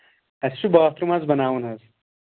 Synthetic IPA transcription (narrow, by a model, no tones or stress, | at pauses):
ɐst͡ʃubaːt̪ɾumɐzbɐnaːwunɦɐz